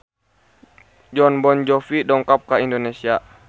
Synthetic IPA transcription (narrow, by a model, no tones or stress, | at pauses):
d͡ʒɔnbɔnd͡ʒɔfidɔŋkap̚kaindonesia